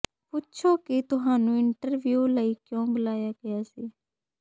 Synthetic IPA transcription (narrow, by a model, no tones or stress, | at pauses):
pʊtt͡ʃʰoːkit̪ʊɦaːnũːɪɳʈəɾʋjuːləiːkjõːbʊlaːjaːɡəjaːsiː